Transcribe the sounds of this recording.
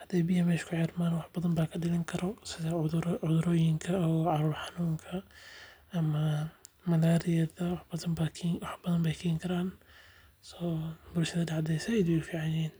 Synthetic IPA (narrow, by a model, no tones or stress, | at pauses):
hɐd̪̥ɛjbɪjɐmɛːʃkʰʊʕɛːrmaːnwɑħbɐðɐmbaːkʰɐɖɪlɪŋkʰɐɾɔsɪðɐʊðɾɔːjɪŋkʰɐɔʕɑɾuːrħɑnuːŋkʰɐ | ʔɐmɐmɐlaːɾɪjɐðɐwħbɐðɐmbakʰːwɑħb̥ɐðɐmbɛjkʰiːŋkʰɐɾaːn | sɔːbʊlʃɐðɐdɑʕd̪ɛjsɐɛjd̪jɪɡfiːʕɑnjɛːn